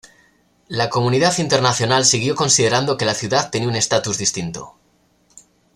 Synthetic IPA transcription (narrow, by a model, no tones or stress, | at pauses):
lako̞muniðaθint̪e̞ɾnaθjo̞nalsiɣjo̞ko̞nsiðe̞ɾand̪o̞ke̞laθjuðaðt̪ːe̞niune̞st̪at̪uzðist̪int̪o̞̰